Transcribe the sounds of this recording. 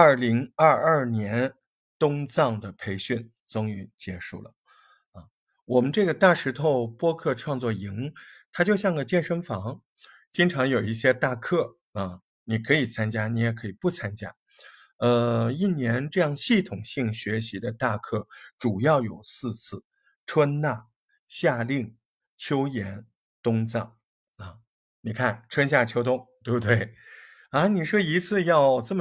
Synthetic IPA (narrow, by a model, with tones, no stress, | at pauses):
ɐ˥˩li˧˥ŋɐ˞˥˧ɐ˥˩njɛ˧˥n | t̪ʊ˥ŋt͡sɑ˥˩ŋd̪ə˩pʰe˧˥ɪɕy˥˩n | t͡sʊ˥ŋy˧˥nt͡ɕjɛ˧˥ʂṵ˥˩lə̰˩ | ɐ˧ | wɔ˨˩mə˦nʈ͡ʂɤ˥˩ɡə˩t̪a˥˩ʂɻ̩˧˥t̪ʰo˥˧ʊpwɔ˥kʰɤ˥˧ʈ͡ʂʰwɑ˥˧ŋt͡swɔ˥˩i˧˥ŋt̪ʰa˥t͡ɕjo˥˧ʊɕ̬jɑ˥˩ŋɡə˩t͡ɕjɛ˥˩nʂə˥nfɑ˧˥ŋ | t͡ɕi˥ŋʈ͡ʂʰɑ˧˥ŋjo˨˩ʊi˥˩ɕjɛ˥t̪a˥˧kʰɤ˥˩ | ə˧ | ni˨˩kʰɤ˧˥i˨˩t͡sʰa˥nt͡ɕja˥ni˧˥jɛ˨˩kʰɤ˧˥i˨˩pu˥˩t͡sʰa˥nt͡ɕja̰˥ | ə˧i˥˩njɛ˧˥nʈ͡ʂɤ˥˧jɑ˥˧ŋɕi˥˩t̪ʰʊ˨˩ŋɕi˥˩ŋɕɥɛ˧˥ɕi˧˥d̪ə˧t̪a˥˧kʰɤ˥˩ʈ͡ʂu˨˩jɑ˥˩ʊjo˨˩ʊsɹ̩˥˧t͡sʰɹ̩˥˩ | ʈ͡ʂʰwə˥nna˥˩ | ɕja˥˧li˥˩ŋ | t͡ɕʰjo˥ʊjɛ˧˥n | t̪ʊ˥ŋt͡sɑ˥˩ŋ | ə˧˩ | ni˨˩kʰa˥˩nʈ͡ʂʰwə˥nɕja˥˩t͡ɕʰjo˥ʊt̪ʊ˥ŋt̪t̪we˥˩bu˧t̪we˥˩ɪ | a˧˥ni˨˩ʂwɔ˥i˧˥t͡sʰɹ̩˥˧jɑ˥˧ʊt͡sə˥˩m